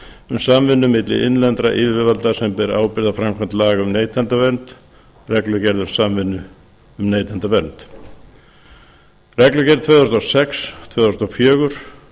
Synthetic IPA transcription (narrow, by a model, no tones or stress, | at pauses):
ʏmsamvɪnːʏmɪt̪lɪ̰ʔɪnlɛnt̪ɾaʔɪðvɪvalt̪asɛmpɪɾa̰ːwpɪɾðawfɾamkʰant̪laːɣaʏmneːjt̪ʰant̪avɛɾnt̪ | rɛklʏcɛɾðʏɾ̥samvɪnːʏ | ʏmneːjt̪ʰant̪avɛɾnt̪ | rɛklʏcɛɾðt̪ʰvœːðʏst̪ɔsɛkst̪ʰvœːðʏ̥st̪awfjœːɣʏɾ̥